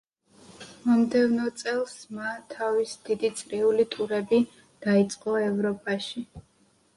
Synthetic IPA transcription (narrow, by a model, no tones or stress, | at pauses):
mɔmd̪ɛvnɔt̪sʼɛlˠsmat̪ʰavisd̪id̪it̪sʼɾiulit̪ʼuɾɛbi | d̪̥ait̪sʼqʼɔɛvɾɔpʼaʃi